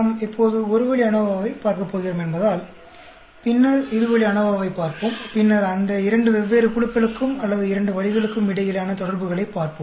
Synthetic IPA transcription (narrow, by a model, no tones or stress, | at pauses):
mɪpːoːðɯɔɾɯʋɐɭiɐɳɐʋaːʋɐɪpaːɾkɐpːoːɣɪɾɯmɛnbɐðaːl | pɪnːɐɾɪðɯʋɐɭiɐɳɐʋaːʋɐɪpːaːɾpɯmpɪnːɐɾɐnd̪ɐɪɾɐɳɖɯʋɛʋːeːɾɯkʊɭɯkːɐɭɯkːɯmɐlːɐðɯɪɾɐɳɖɯʋɐɭɪɣɐɭɯkːɯmɪɽɐjɪlaːnɐt̪ɔɽɐɾbɯɣɐɭɐɪpːaːɾpɯm